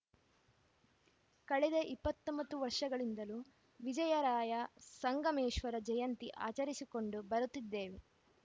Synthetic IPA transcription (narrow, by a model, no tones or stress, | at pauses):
kɐɭɛd̪eʔipːɐt̪ːombɐt̪ːuʋɐɾʂɐɡɐɭind̪ɐlu | ʋid͡ʒɐjɐɾaːjɐsɐŋɡɐmeːʂʋɐɾɐd͡ʒɐjɐnt̪iʔa̰ːt͡ʃɐɾisiko̞ɳɖubɐɾut̪ːid̪ːe̞ːʋe